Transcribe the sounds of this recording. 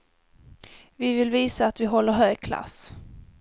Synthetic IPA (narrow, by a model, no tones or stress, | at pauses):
vɪvɪlviːsaːt̪vɪɦɔlːəɾɦœːɡkʰla̰s